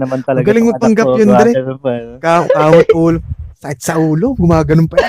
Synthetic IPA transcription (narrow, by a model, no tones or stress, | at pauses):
ɡɐlɪŋmɐɡ̚p̪ɐŋɡɐpjond̪ɛɾɛkakaːmɐt̪uːlosɐkɪt̪̚sɐʔuːloɡʊmaːɡɐnʊnpɐ